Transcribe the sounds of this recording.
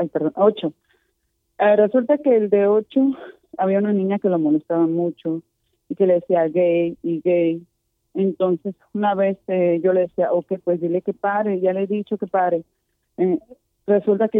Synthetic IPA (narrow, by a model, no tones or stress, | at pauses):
ajpeɾðonot͡ʃo | eresult̪akeld̪eot͡ʃo | aβiaunanĩɲake̞lomolest̪aβamut͡ʃo | ike̞le̞ðesiaɣejiɣej | ent̪onse̞sunaβesʝo̞leðesiaʔokepwesd̪ile̞kepaɾeʝaleeðit͡ʃo̞kepaɾe | e | result̪ake